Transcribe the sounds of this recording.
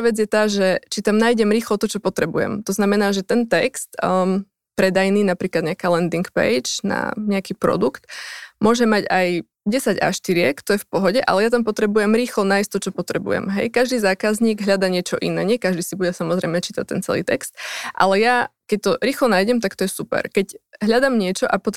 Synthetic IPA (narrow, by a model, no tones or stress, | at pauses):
ʋɛd͡zjɛt̪aːʒɛt͡ʃit̪amnaːjɟɛmɾiːxlɔt̪ɔt͡ʃɔpɔt̪ɾɛbujɛ̰mt̪ɔznamɛnaːʒɛt̪ɛnt̪ɛkst̪ | pɾɛd̪ajniːnapɾiːklad̪ɲɛakalɛnd̪iŋkpɛ̰jd͡ʒna̰ɲɛakiːpɾɔ̰d̪ukt̪mʊɔʒɛmaɟaj | ɟɛsaɟa̰ʃt̪iɾɪɛkt̪ɔjɛfpɔɦɔɟɛʔa̰lɛjat̪ampɔt̪ɾɛbujɛmɾiːxlɔnaːjsʲt̪ɔt͡ʃɔpɔt̪ɾɛbṵjɛ̰mɦɛ̰jkaʒd̪iːzaːkazɲiːɡɦʎad̪aɲɪɛt͡ʃɔʔḭnɛːɲɛkaʒd̪iːsibuɟɛsamɔzɾɛjmɛt͡ʃiːt̪ac̚t̪ɛ̰nt͡sɛ̰lḭːt̪ɛ̰kst̪̚ʔa̰lɛjakɛc̚t̪ɔɾiːxlɔnaːjɟɛmt̪akt̪ɔjɛsupɛ̰ɾkɛɟɦʎad̪amɲɪɛt͡ʃɔʔapɔt̪